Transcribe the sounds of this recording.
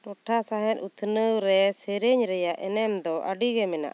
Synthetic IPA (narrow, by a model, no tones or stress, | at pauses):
nɔʈʰasaɦɛ̃t̪̚ut̪ʰnəwɾɛseɾeɲɾɛjaʔɛ̰nɛmd̪ɔʔaɖiɡɛmɛna̰ʔ